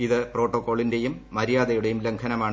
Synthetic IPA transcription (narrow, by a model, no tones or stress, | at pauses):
iðɨpro̞ːʈːokːo̞ːɭinde̞jumːɐɾijaːðɐjuɽe̞jumleŋkʰɐnɐmaːɳɨ